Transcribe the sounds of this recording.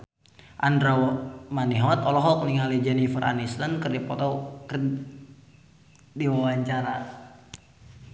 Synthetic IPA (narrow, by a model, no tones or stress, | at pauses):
ʔandɾamaniɦɔat̪ɔlɔɦɔkuniŋalid͡ʒɛnifərʔa̰nislankɨrdipɔt̪ɔkr | diwawaɲt͡ʃaɾa